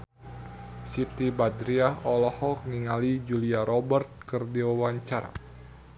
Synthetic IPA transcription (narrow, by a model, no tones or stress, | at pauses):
sit̪ibadɾiaɔlɔhɔk̚niŋalid͡ʒuliaɾʔɔbərt̪̚kərdiwawaɲt͡ʃaɾa̰